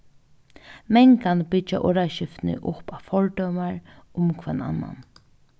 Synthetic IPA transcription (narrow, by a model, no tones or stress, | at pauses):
mɛŋkanbɪt͡ʃaʔɔɾaʃɪft̪nɪ̰ʔʊpafɔɹd̪œwmaɹʊmkʰvɛna̰nːa̰n